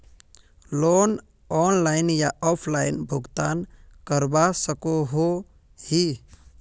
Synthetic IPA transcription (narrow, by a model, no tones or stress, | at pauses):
lon | ɔnlaɪnjaɔpʰlaɪnbʱʊɡt̪ankəɾbasəkoɦo | hi